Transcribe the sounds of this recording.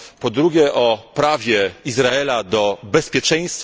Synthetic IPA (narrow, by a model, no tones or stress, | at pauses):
pɔd̪ɾuɡʲɛʔɔpɾavʲjɛizɾaɛlad̪ɔbɛspʲjɛt͡ʂɛ̃j̃st̪